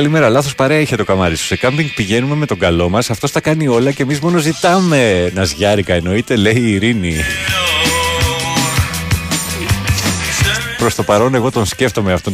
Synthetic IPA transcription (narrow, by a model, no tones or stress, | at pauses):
ɐlime̞ɾɐlɐθo̞spɐɾeɐiçet̪o̞kɐmɐɾist̪osekɐmbiŋɡ̚piʝe̞nume̞me̞t̪o̞ŋɡɐlo̞mɐsɐft̪o̞st̪ɐkɐnio̞lɐce̞mizmo̞no̞zit̪ɐme̞nɐzʝɐɾikɐeno̞it̪e̞le̞iːɾini | pɾo̞st̪o̞pɐɾo̞ne̞ɣo̞t̪o̞nsce̞ft̪o̞meɐft̪o̞n